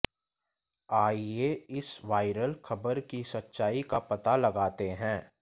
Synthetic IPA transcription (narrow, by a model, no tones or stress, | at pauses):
aːieɪsʋaːɪɾəlxʰɐbəɾkisɐtːʃaːikapɐt̪alɐɡaːt̪eɦɛ̃ː